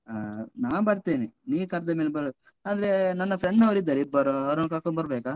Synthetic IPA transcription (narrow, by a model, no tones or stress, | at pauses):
naːʋbɐɽt̪eːniniːkɐɾd̪ɐmeːlbɐɾ | aːd̪ɐɾenɐnːɐpʰɾeɳɖnɐʋɾid̪ːɐɾibɐɾoɐʋɾɐnːɐkaːkonbɐɾbeːkaː